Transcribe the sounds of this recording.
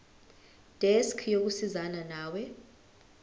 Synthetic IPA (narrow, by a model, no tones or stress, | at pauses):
d̥ʱɛskʰjok̬usizananaːwɛ